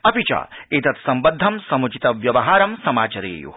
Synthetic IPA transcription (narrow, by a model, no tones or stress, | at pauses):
ɐpit͡ʃa̰ːeːt̪ɐt̪sɐmbɐd̪ʱːɐmsɐmut͡ʃit̪ɐʋjɐʋɐɦaːɾɐmsɐmaːt͡ʃɐɾḛːjṵ